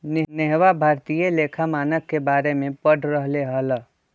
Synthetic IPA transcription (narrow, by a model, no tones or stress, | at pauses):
nɪneɦwabʱaːɾt̪ijeleːkʰamaːnəkːebaːɾemẽpəɽɾəɦleɦələ